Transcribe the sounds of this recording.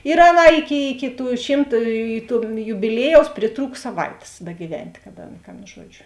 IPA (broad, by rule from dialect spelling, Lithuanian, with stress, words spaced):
ɪr ˈɑːˌnɑː ˈɪˌkʲɪ ɪkʲɪ tuː ˈʃʲiːmt tuː jʊbʲɪˈlʲiɛjɛʊs pʲrʲɪˈtruːk sɐˈʋɐɪtʲeːs bʲɛɡʲiːˈʋʲɛnʲtʲ kɐt ˈɑːˌnɐ kɐ ˈɐn ˈʒuɔd͡ʒʲʊ